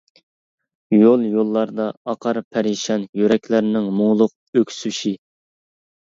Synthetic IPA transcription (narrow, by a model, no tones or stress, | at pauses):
jolˠjolˠːɑɾd̪ɑɑqʰɑɾpʰæɾiʃɑnjøɾɛkʲlæɾnɪŋmʊŋlˠʊq̚økʲsyʃi